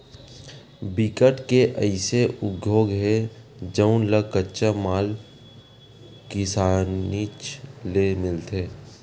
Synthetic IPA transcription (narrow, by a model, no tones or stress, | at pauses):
bikəʈkeʔəɪseʔʊɡʱjoːɡɦed͡ʒəʊnləkətːʃəmaːl | kɪsaːnit͡ʃlemɪlt̪ʰeː